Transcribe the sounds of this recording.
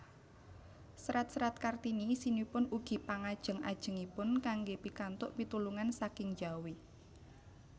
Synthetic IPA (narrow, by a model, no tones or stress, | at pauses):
sɾat̪̚sɾat̪̚kart̪inisinipʊnuɡ̥i̤paŋad̥ʒ̥ə̤ŋa̰d̥ʒ̥ə̤ŋipʊnkaŋɡepikant̪ʊʔpit̪uluŋansakɪŋd͡ʒawi